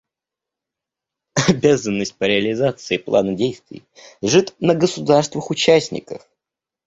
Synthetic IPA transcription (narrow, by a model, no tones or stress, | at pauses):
ɐbʲazənːəsʲt̚ʲpəɾʲɪəlʲɪzat̪sɨɪplˠa̰nədʲejst̪vʲɪ̰jʐɨt̪nəɡəsʊd̪arst̪vəxʊt͡ɕæsʲnʲɪ̰kə̰f